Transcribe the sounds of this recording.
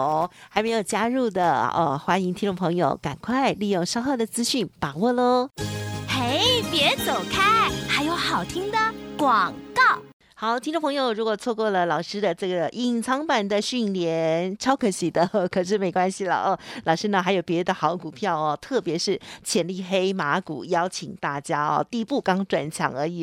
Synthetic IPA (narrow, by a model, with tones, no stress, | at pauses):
xa˧˥ɪme˧˥ɪjo˨˩ʊt͡ɕja˥ɻu˥˩d̪ə˩ə̰˧xwa˥ni˧˥ŋt̪ʰi˥ŋʈ͡ʂʊ˥˩ŋ˩pʰɤ˧˥ŋjo̰˨˧ʊka̰˨˩nkʰwa˥˧ɪli˥˧jo˥˩ŋʂɑ˥ʊxɤ˥˩d̪ə˩t͡sɹ̩˥ɕy˥˩npa˨˩wɔ˥˧lə˧ | xe˧˥˩ɪpjɛ˧˥t͡so˨˩ʊkʰa˥xa˧˥ɪjo˧˥ʊxɑ˨˩ʊt̪ʰi˥ŋd̪ə˨kwɑ˨˩ŋkɑ˥˩ʊ | xɑ˨˩ʊt̪ʰi˥ŋʈ͡ʂo˥˩pʰŋjo˨˧ʊɻu˧˥kwɔ˨˩t͡sʰwɔ˥˧kwɔ˥˩lə˩lɑ˨˩ʊʂɻ̩˥d̪ə˨ʈ͡ʂɤ˥˩ɡə˩ʔi˧˩ŋt͡sʰɑ˧˥ŋpa˨˩nd̪ə˨ɕy˥˩nljɛ˧˥nʈ͡ʂʰɑ˥ʊkʰɤ˧˥ɕi˨˥˩d̪ə˧kʰɤ˨˩ʂ̬ɻ̩˥˩me˧˥ɪkwa˥nɕi˨lə̰˧˩ʔɔ˥˧lɑ˨˩ʊʂɻ̩˥nə˨˧xa˧˥ɪjo˨˩ʊpjɛ˧˥˧d̪ə˧xɑ˧˥ʊku˨˩pʰjɑ˥˩ʊɐ˩t̪ʰɤ˥˩pjɛ˧˥ʂɻ̩˥˩t͡ɕʰjɛ˧˥nli˥˧˩xe˥ɪma˧˥kṵ˨˩jɑ˥ʊt͡ɕʰḭ˨˩ŋt̪a˥˩t͡ɕja˥ɐ̰˧t̪i˥˧pu˥˩kɑ˥ŋʈ͡ʂwa˨˩nt͡ɕʰjɑ̰˧˥ŋə˞˧˥i˨˩